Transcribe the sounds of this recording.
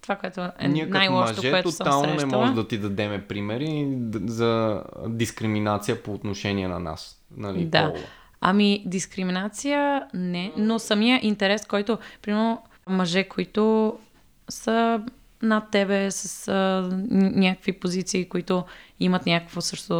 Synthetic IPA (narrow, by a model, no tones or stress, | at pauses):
t̪o̥vakoɛt̪oɛ̰nink̪ajlˠɔʃmɐʒt̪oɛoɛt̪oosəalˠnonʃɛmɐɔʒd̪ɐt̪id̪ɐd̪ɛmɛpɾimɛɾizɐd̪iskɾiminat̪sijəpoːt̪noʃɛniɛnɐna̰s | nɐlḭd̪a̰ | ɐ̰mid̪iskɾiminat̪sijənɛnosɐmijəʔint̪ɛɾɛskɔjt̪ʊpɾimɛɾno | mɐʒɛkoit̪o | sə | nɐt̪ːɛbɛsəs | nʲakəkvipozit̪siːkoit̪ʊimət̪nʲakəkvosɤʃt̪o